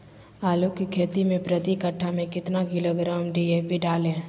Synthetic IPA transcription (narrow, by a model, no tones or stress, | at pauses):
aːlokikʰeːt̪imẽpɾət̪ikəʈʰːamẽkɪt̪naɡɪloɡɾaːmɖiebʱiɖaːlẽː